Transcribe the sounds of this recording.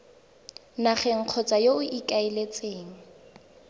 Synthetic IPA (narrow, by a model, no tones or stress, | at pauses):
naχɛŋ̩q͡χʰɔt͡sʼajoʊʔikʼaɪlet͡sʼeːŋ̩